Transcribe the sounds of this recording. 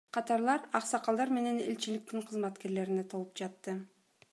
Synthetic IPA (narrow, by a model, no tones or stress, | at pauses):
qʰɑt̪ɑɾlˠɑɾɑqsɑqɑlˠd̪ɑɾme̞ne̞ne̞̰lʲt͡ʃilik̚t̪iɴqʰɯzmɑt̪ke̞ɾle̞ɾine̞t̪ʰo̞lˠupd͡ʒɑt̪ːɯ